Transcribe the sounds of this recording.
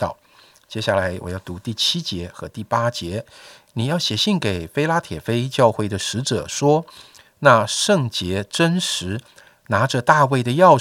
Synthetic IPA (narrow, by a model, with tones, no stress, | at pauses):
t̪ɑ˥˩ʊ | t͡ɕjɛ˥ɕja˥˩la˧˥ɪwɔ˨˩jɑ˥˩ʊt̪u˧˥t̪i˥˩t͡ɕʰi˥t͡ɕjɛ˧˥xɤ˧˥t̪i˥˩pa˥t͡ɕjɛ˧˥ni˨˩jɑ˥˩ʊɕjɛ˨˩ɕi˥˩ŋke˨˩ɪfe˥ɪla˥t̪ʰjɛ˨˩fe˥ɪt͡ɕjɑ˥˧ʊxwe˥˩ɪd̪ə˩ʂɻ̩˧˥ʈ͡ʂɤ̰˨˩ʂwɔ˥ | na˥˧ʂɤ˥˩ŋt͡ɕjɛ˧˥ʈ͡ʂə˥nʂɻ̩˧˥ | na˧˥ʈ͡ʂə˧t̪a˥˧we˥˩ɪd̪ə˩jɑ˥˧ʊ